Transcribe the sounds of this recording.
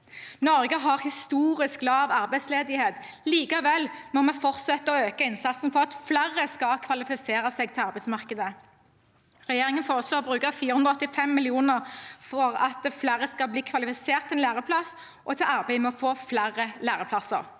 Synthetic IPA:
nɔʁɡəɦɑʁhɪst̪uːʁɪsklɑːʋɑʁbæɪsleːd̪ɪheːt̪ | liːkəʋɛlmɔmɛfɔʁt̪sɛt̪ːəɔøːkəɪnsɑt̪sn̩fɔʁɑt̪flæʁəskɑlkʰʋɑlɪfɪseːʁəsɛɡ̚t̪ʰɪlɑʁbæɪsmɑʁkəd̪ə | ʁɛjeːʁɪŋənfoːʁəsloːʁbʁʉːkəfiːɾəʉnɔɔt̪ːɪfɛmːɪlɪuːnəʁfɔʁɑ̰t̪̚d̪ɛflæʁəskɑbliːkʰʋɑlɪfɪseːʁt̪ʰːɪɛnlæːʁəpʰlɑs | ʔɔt̪ʰɪlɑʁbæɪmɛɔfoːflæʁəlæːʁəpʰlɑsə̰ʁ

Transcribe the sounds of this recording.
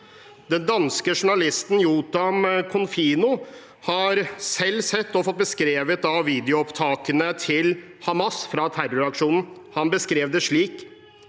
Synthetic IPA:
d̪ɛnd̪ɑnskəʂʊɳɑlɪst̪njuːt̪ɑmkʰʊnfiːnʊ | hɑɾsɛlːsɛt̪ːɔfɔt̪̚bəskɾeːʋət̪ɑʋiːd̪ɛɪʊɔpt̪ʰɑːkənət̪ʰɪl | hɑmɑsfɾɑt̪ʰærʊɾɑkʂuːnn̩hɑnbəskɾeːʋd̪əʂɭiːk

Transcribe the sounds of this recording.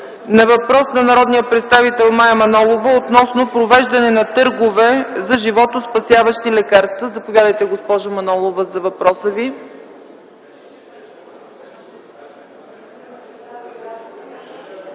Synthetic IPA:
nɐvɐpɾɔsnɐnɐɾɔd̪nijəpɾɛt̪st̪avit̪ɛlˠmajəmɐnɔlˠovəot̪nɔsnopɾovɛʒd̪ɐnɛnɐt̪ɤɾɡovɛzɐʒivɔt̪ospɐsʲjavəʃt̪ilɛkaɾst̪vəzɐpovʲjad̪əjt̪ɛɡospɔʒʊmɐnɔlˠovəzɐvɐpɾɔsəvi

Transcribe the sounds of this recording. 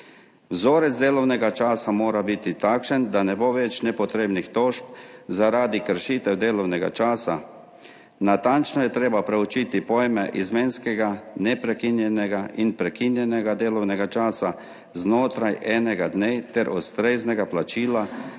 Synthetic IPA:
wzoːɾɛt̪zd̪eːlɔwnɛɡat͡ʃaːsamoːɾabit̪it̪aːkʃənd̪anɛboːʋɛt͡ʃnɛpɔt̪ɾeːbnixt̪oːʃp̚zaɾaːd̪ikəɾʃiːt̪ɛwd̪eːlɔwnɛɡa̰t͡ʃaːsa | nat̪ant͡ʃnɔjɛt̪ɾeːbapɾɛut͡ʃiːt̪ipoːjmɛʔizmeːnskɛɡanɛpɾɛkinjɛnɛɡaʔinpɾɛkinjɛnɛɡad̪eːlɔwnɛɡat͡ʃaːsa | znoːt̪ɾajɛːnɛɡad̪neːt̪ɛɾʔust̪ɾeːznɛɡaplat͡ʃiːla

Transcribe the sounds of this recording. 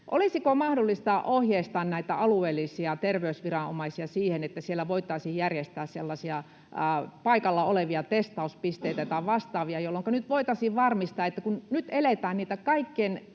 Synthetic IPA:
ʔo̰lisikomɑhdolːist̪ɑʔohjeist̪ɑːnnæit̪æɑlueːlːˑisiɑt̪erʋeysʋirɑno̰mɑisiɑsiːhenet̪ːæsielːæʋoit̪ːˑɑisiːjjærjest̪æːsselːɑsiɑ | pɑikɑlːɑoleʋiɑt̪est̪ɑuspist̪eˑit̪æt̪æʋɑst̪ɑːʋiɑjolːoŋkɑnyt̪ʋoit̪ɑsiːʋʋɑrmist̪ɑːet̪ːækunnyt̪elet̪æːnniːt̪ækɑikːen

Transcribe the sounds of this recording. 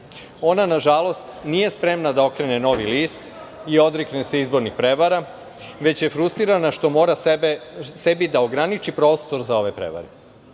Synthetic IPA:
o̞nanaʒalˠo̞st̪nije̞spɾe̞mnad̪aokɾeneno̞ʋiliːst̪ | io̞d̪ɾiknese̞izbo̞ɾnixpɾe̞ʋaɾa | ʋe̞t͡ɕje̞fɾust̪ɾiɾanaʃt̪o̞mo̞ːɾa | se̞bid̪aoɡɾanit͡ʃipɾo̞ːst̪o̞ɾzao̞ʋepɾḛʋa̰ɾe

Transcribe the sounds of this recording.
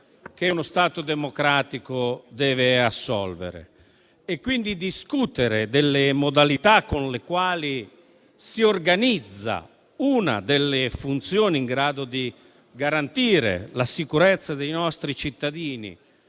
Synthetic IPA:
k̟eunost̪aːt̪od̪ɛmokɾaːt̪ikod̪ɛːveasːɔ̰lvḛɾḛ | ɛkːwind̪id̪iskut̪eɾed̪ɛlːemod̪alit̪akːonlekwaːli | siorɡanid̪zːa̰ | una̰d̪elːefunt̪sjoːniŋɡɾaːd̪od̪i | ɡaɾant̪iːɾḛlasikuɾɛt̪sːad̪ejnɔst̪ɾit͡ʃit̪ːad̪iːnḭ

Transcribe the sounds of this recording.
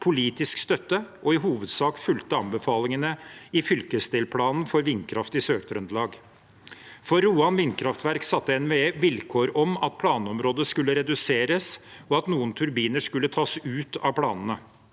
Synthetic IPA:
pʰʊliːt̪ɪskst̪œt̪ːəʔɔɪɦuːʋəd̪sɑːkfʉlt̪əɑmbəfɑːlɪŋənəɪfʏlkəst̪eːlpʰlɑːnnfɔɾʋɪnkʰɾɑft̪ɪsøːɾt̪ɾʉnd̪lɑːɡ | fɔɾːuːɑnʋɪnkʰɾɑft̪ʋæɾksɑt̪ːəɛnʋeːʋɪlkʰoːɾɔmɑt̪̚pʰlɑːnəɔmɾoːd̪əskʉlːəɾɛd̪ʉseːɾəsɔɑt̪nuːənt̪ʰʉɾbiːnəʂkʉlːət̪ʰɑːsʉːt̪ɑʋpʰɽɑːnənə

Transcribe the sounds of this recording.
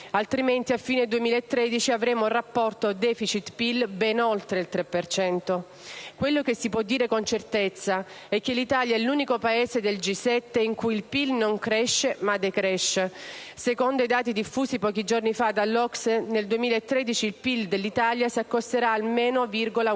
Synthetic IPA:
alt̪ɾiment̪iafːiːned̪uemilaet̪ːɾed̪it͡ʃiavɾeːmourːapːɔrt̪od̪ɛfit͡ʃit̪pilbɛnolt̪ɾeilt̪ɾepːert͡ʃɛnt̪o | kwelːok̟esːipwɔd̪ːiːɾekont͡ʃert̪et̪sːa | ɛk̟ːelːit̪aːljaɛlːuːnikopaeːsed̪eld͡ʒisːɛt̪ːeiŋkujilpilnoŋkɾɛʃːemad̪ekɾɛʃːesekond̪oid̪aːt̪id̪ifːuːsipɔːk̟id͡ʒornifad̪alːɔksneld̪uemiːlaet̪ːɾeːd̪it͡ʃiːlpild̪elːit̪aljasakːost̪eɾaːlmeːnovirɡola

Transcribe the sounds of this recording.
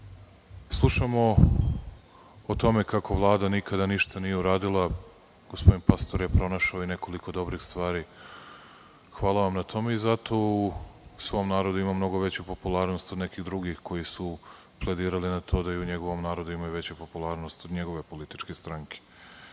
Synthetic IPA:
slˠuʃamo̞ | t̪o̞me̞kakʰo̞ʋlˠaːd̪anikad̪aniʃt̪anijeuɾaːd̪ilˠa | ɡ̥ospo̞d̪inpast̪oɾjepɾo̞naʃaoine̞ko̞liko̞d̪o̞bɾixst̪ʋaːɾiː | xʋaːlˠaʋamnat̪ʰo̞me̞izat̪o̞usʋo̞mnaːɾod̪uimamno̞ɡo̞ʋe̞t͡ɕupo̞pulˠaːɾnost̪od̪ne̞kiɣd̪ɾuɡixko̞jisu | ple̞d̪iːɾalinat̪ʰo̞ːd̪aiuɲe̞ɡo̞ʋo̞mnaːɾo̞d̪uimajuʋe̞t͡ɕupo̞pulˠaːɾno̞st̪od̪ɲe̞ɡo̞ʋe̞po̞lit̪i̥t͡ʃkest̪ɾaŋke̥

